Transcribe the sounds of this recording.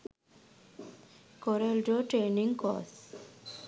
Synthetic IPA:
koɾelɖoʈɾeniŋɡkɔ̰s

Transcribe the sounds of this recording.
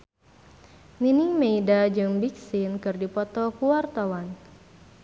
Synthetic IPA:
ninimeidad͡ʒɨŋbik̚sinkɨrdipɔt̪ɔkuwart̪awan

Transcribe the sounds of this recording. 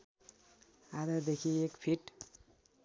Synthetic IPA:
aɾʌd̪ekʰiekpʰiʈ

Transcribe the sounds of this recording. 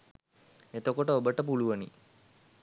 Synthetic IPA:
et̪okoʈəobəʈəpuluʋənḭ

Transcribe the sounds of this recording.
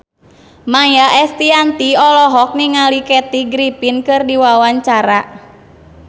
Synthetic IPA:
majaʔɛst̪iant̪iɔlɔɦɔk̚niŋalikɛt̪iɡɾipinkɨrdiwawaɲt͡ʃaɾa

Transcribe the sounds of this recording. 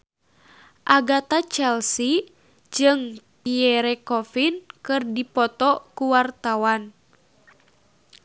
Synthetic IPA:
ʔaɡat̪at͡ʃɛlsi | d͡ʒɨŋpiɛɾɛkɔfinkɨrdipɔt̪ɔkuwart̪awan

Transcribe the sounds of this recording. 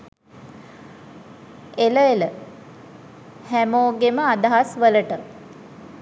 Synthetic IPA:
eləelə | hæmoːɡeməad̪aɦasʋələʈə

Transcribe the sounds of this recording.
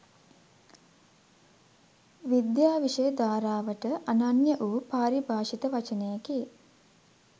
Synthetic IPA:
ʋid̪jaːʋiʂəjəd̪aːɾaːʋəʈəʔananjəʔuːpaːɾibʱaːʃit̪əʋat͡ʃənəjaki

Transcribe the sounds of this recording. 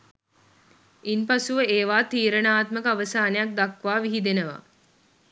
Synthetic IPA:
inpasuʋəeːʋaːt̪iːɾənaːt̪məkəaʋəsaːnejak̚d̪akʋaːʋiɦid̪enəʋa̰

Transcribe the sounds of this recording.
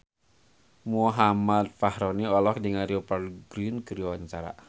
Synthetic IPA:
muɦamat̪̚fahɾɔniɔlɔkdiŋaɾiɔparɡɾinkəɾiwaɲt͡ʃaɾa̰

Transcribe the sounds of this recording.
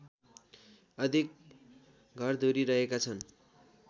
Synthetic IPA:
ʌd̪ʱik̚ | ɡʱʌrd̪ʱoɾiɾʌɦekat͡sʰʌn

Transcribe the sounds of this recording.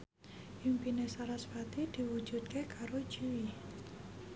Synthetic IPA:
impinesaɾasfat̪id̪̥iwu̥d͡ʒ̥ud̪̚kekaɾo̥d͡ʒiwi

